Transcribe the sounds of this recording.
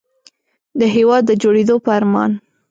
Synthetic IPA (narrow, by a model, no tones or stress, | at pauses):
d̪əɦewɑd̪ːəd͡ʒoɽed̪opəaɾmɑ̰n